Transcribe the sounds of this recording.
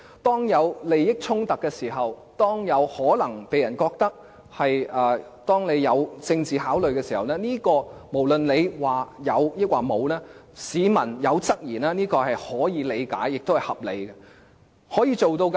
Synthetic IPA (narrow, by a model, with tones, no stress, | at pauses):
t̪ɔː˥ŋjɐ˨˧wle˨jːɪ˥k̚t͡sʰʊ˥ŋt̪ɐ˨kːɛː˧siː˨˩ɦɐ˨w | t̪ɔː˥ŋjɐ˨˧whɔː˨˥lɐ˨˩ŋpe˨jɐ˨˩nkɔː˧k̚t̪ɐ˥k̚ | hɐ˨jʔɐː˨˧t̪ɔː˥ŋne˨˧jːɐ˨˧wt͡sɪ˧ŋt͡siː˨haː˨˥wlɵ˨ɥkɛː˧si˨˩hɐ˨wnɛː˥niː˥kɔː˧mo˨˩wlɵ˨nle˨˧jwaː˨jɐ˨˧wjɪ˥k̚waː˨˩mo˨˧wnɛː˥ | siː˨˧mɐ˨˩njɐ˨˧wt͡sɐ˥k̚jiː˨˩naː˥niː˥kɔː˧hɐ˨jhɔː˨˥jiː˨˧le˨˧jka̰ː˨˥jːɪ˨k̚t̪o˥hɐ˨˩hɐ˨p̚lḛ˨˧jkɐ˧ | hɔː˨˥jiː˨˧t͡so˨wt̪o˧wk